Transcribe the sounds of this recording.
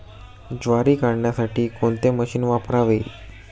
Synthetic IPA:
d͡zʋaɾiːkaɽɳjasaʈʰiːkoɳt̪eməɕiːnʋapɾaʋe

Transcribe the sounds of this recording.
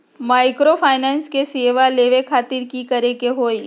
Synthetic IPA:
maːɪkɾopʰaːɪnɛːnskeseːʋaleːʋekʰaːt̪ɪɾkikɐɾekeɦoːi

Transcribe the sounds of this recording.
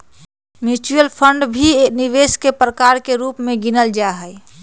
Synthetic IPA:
mjut͡ʃujəlpʰəɳɖbʱiniʋeskepɾəkaɾkeɾuːpmẽɡinəld͡ʒaɦəɛ

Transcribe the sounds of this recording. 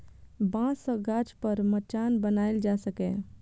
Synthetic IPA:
bãːsəɡaːt͡ʃpəɾmət͡ʃaːnbənaːɪld͡ʒaːsəkẽː

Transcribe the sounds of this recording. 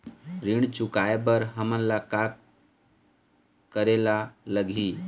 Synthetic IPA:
ɾiɳt͡ʃʊkaebəɾɦəmə̃nlakak | kəɾelaləɡʱiː

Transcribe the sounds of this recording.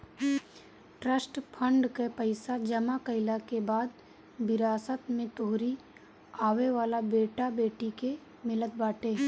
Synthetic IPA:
ʈɾəsʈpʰə̃ɳɖkepəɪsad͡ʒɐmakəɪlakebaːd̪̚ | bɪɾaːsət̪mẽt̪oːɾi | aːʋeʋaːlabeːʈabeːʈike | mɪlət̪̚baːʈeː

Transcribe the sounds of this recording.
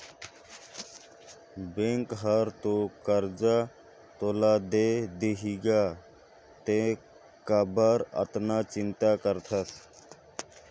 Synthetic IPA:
bẽŋkɦəɾt̪okəɾd͡ʒa | t̪oːlaːd̪ed̪eɦiːɡaː | t̪e | kabəɾə̰t̪naːt͡ʃɪnt̪aːkəɾt̪ʰəs

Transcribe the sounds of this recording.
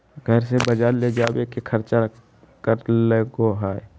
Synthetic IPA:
ɡʱəɾsebəd͡ʒaːɾled͡ʒaːbekikʰəɾt͡ʃa | kəɾleɡoɦaːe

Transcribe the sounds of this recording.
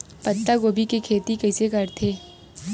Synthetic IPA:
pɐt̪ːakoːbʱikikʰeːt̪ikɐːsekɐɾt̪ʰeː

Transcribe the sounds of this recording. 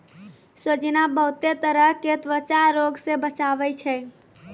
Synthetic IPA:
sod͡ʒnabəɦut̪et̪əɾəɦket̪ʋət͡ʃaɾoɡsebət͡ʃabɛt͡ʃʰɛ

